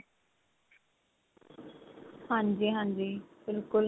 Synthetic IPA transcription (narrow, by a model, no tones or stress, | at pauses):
hãːɲd͡ʒiːɦãːnd͡ʒiːbɪlkʊl